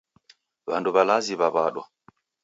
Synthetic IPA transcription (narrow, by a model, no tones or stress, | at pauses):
βanduβalaziβaβaɗwa